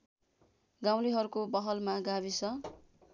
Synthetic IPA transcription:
ɡaw̃liɦʌɾukobʌɦʌlmaɡaβisʰʌ

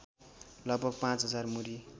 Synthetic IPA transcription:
lʌɡ̚bʱʌɡ̚pãt͡sɦʌd͡zarmuɾi

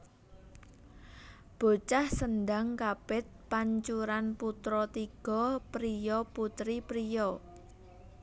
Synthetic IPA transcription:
b̥o̤t͡ʃahsənɖaŋkapɪt̪̚paɲt͡ʃuɾanput̪ɾɔt̪iɡ̥ɔpɾijɔput̪ɾipɾijɔ

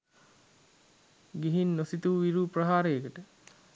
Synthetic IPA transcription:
ɡiɦinːosit̪uʋiɾuːprəɦaːɾejekəʈə

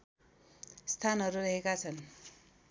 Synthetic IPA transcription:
st̪ʰanɦʌɾurʌɦekat͡sʰʌn

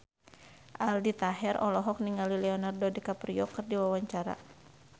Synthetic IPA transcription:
ʔaldit̪aɦɛrɔlɔɦɔk̚niŋalilɛɔnardɔdikapriɔkɨrdiwawaɲt͡ʃaɾa̰

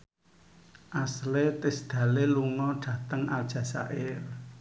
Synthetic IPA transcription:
ʔaslet̪ɪsd̪̥ä̤leluŋɔɖ̥ä̤t̪əŋald̥ʒ̥ä̤sa̰ʔɪl

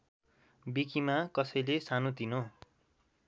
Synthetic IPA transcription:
bikimakʌsʌjlesanot̪ino

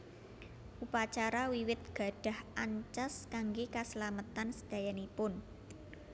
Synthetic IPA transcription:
ʔupat͡ʃaɾawiwɪt̪̚ɡ̥a̤ɖ̥a̤hʔaɲt͡ʃaskaŋɡekaslamət̪ansə̥d̪̥ä̤janipʊn

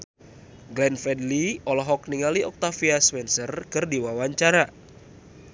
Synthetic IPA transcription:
ɡlɛnfɛdliɔlɔɦɔkniŋaliɔk̚t̪afiaspɛnsərkɨrdiwawaɲt͡ʃaɾa

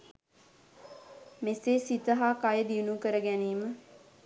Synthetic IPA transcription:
meseːsit̪əɦaːkajəd̪iunukəɾəɡæniːmə

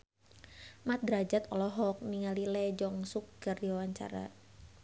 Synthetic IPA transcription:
mat̪̚d̪ɾad͡ʒat̪ɔlɔɦɔk̚niŋalilɛd͡ʒɔŋsuk̚ɡ̥ardiwawaɲt͡ʃa̰ɾa̰

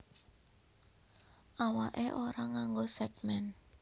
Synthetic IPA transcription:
ʔawaʔḛʔoɾaŋaŋɡosɛɡmɛn

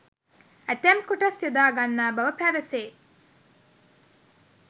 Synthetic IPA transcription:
æt̪æmkuʈɐsjud̪aːɡanːaːbɐʋəpæʋəseː

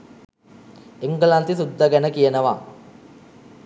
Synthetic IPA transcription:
eŋɡəlant̪isud̪ːaɡænəkijənəʋa̰

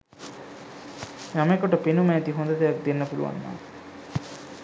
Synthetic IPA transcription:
jamekoʈopenumæːt̪iɦond̪ɐd̪eʋɐk̚d̪enːɐfulṵʋa̰nːa̰ː

